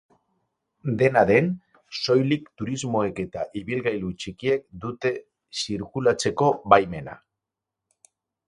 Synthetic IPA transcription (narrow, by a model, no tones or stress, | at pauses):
d̪e̞naðe̞n | so̞jlikt̪uɾizmo̞e̞ke̞t̪aʔiβilɣajlut͡ʃikie̞k̚d̪ut̪e̞ | siɾkulat͡se̞ko̞βajme̞na̰